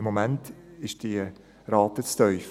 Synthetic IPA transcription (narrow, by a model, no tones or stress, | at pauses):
momæntɪʃd̥iə | ɾɑːt̪ət͡stœʏf